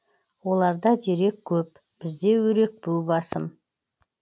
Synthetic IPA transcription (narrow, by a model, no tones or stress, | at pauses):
wo̞lˠɑɾd̪ɑd̪e̞ɾe̞kʲʰːɵp̚ | b̥ɪzd̪e̞wɵɾe̞k̚buwbɑsəm